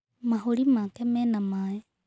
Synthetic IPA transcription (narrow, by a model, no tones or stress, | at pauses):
maɦuɾimakɛmɛnamae